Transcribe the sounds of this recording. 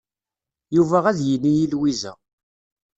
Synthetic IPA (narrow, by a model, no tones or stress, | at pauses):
juvæʁæðjənːijilwizæ̰